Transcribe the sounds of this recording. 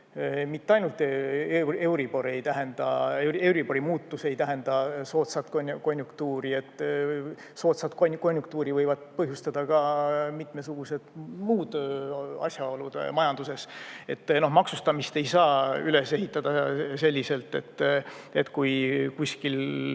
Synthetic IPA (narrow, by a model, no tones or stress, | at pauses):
mit̪ːeɑjnult̪ːˑee̞wɾibo̞ɾe̞jt̪æɦe̞nd̪̥ɑ̰ewe̞wɾibo̞ɾimuːt̪ːuse̞jt̪æɦe̞nd̪̥ɑso̞ːt̪sɑt̪konʲko̞nʲjukt̪uːɾie̞t̪ːˑ | so̞ːt̪sɑt̪konʲko̞nʲjuk̚t̪uːɾivɤjvɑd̪̥̚pɤɦjust̪ɑd̪̥ɑkɑmit̪mesuɡ̥use̞d̪̥muːd̪̥ɑ̰sʲjɑo̞lud̪̥mɑjɑnd̪use̞se̞t̪ːno̞hmɑksust̪ɑmist̪e̞jsɑːyle̞se̞ɦit̪ːˑɑd̪ɑse̞lʲːise̞lt̪ˑːe̞t̪ːe̞t̪ːkujkusʲkil